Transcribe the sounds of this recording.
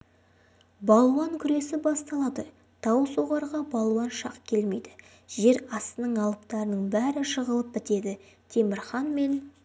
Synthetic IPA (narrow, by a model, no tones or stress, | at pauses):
bɑlˠuwɑŋkʲʰʏɾe̞sɪbɑst̪ɑlˠɑd̪ə | t̪ʰɑwəsoʁɑɾʁɑbɑlˠuwɑnʃɑ̰qkʲʰe̞lme̞jd̪ɪ̥ | ʒ̥e̞ɾɑst̪ənəɴɑlˠəp̚t̪ɑɾənəɴbæɾɪʃəʁəlˠəp̚bɪt̪e̞d̪ɪ | t̪ʰe̞mɪɾχɑnme̞n